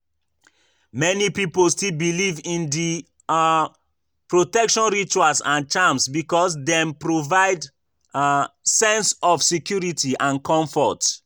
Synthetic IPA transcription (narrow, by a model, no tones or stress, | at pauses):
mɛnipipolstilbilivĩndi | pɹotɛkʃɔ̃nɹit͡ʃuasãnt͡ʃamsbikɔsdɛ̃mpɹovaɪd | sɛ̃nsɔfsikjuɹitʰiʔãnkʰɔ̃ɱfɔt